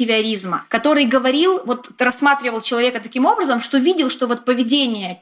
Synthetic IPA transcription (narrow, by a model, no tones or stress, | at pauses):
ɪvʲɪɐɾʲizmə̰kɐt̪o̞ɾɨjɡəvɐɾʲilˠvo̞t̪rɐsmat̪ɾʲɪvəlˠt͡ɕɪlˠɐvʲe̞kət̪ɐkʲimo̞bɾəzəmʂt̪ovʲidʲɪlˠʂt̪o̞vo̞t̪̚pəvʲɪdʲenʲɪjə